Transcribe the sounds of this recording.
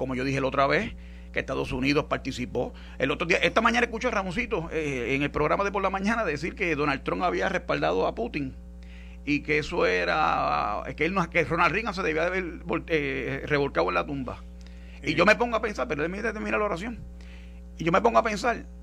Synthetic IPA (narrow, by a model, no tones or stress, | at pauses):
ko̞mo̞ʝo̞ðihelo̞t̪ɾaβes | keht̪aðo̞suniðo̞hpaɾt̪isipo̞ | elot̪ɾoðiaʔe̞ht̪amãɲãnaekut͡ʃoramons̬it̪oeeŋelpɾo̞ɣɾamaðep̬o̞ɾlamãɲãnaðe̞s̬iɾke̞ðo̞nalt̪ɾoŋaβiare̞hpald̪aðo̞aput̪iŋ | ikeeso̞eɾa̰ḛkeelnokeronalriŋas̬eðeβiaðeβeɾboereβo̞lkaðwenlat̪umba̰ | iʝo̞mepo̞ŋɡoape̞nsalpeɾoemit̪et̪eminalaoɾasjo̞ŋ | iʝomepo̞ŋɡoapensaɾ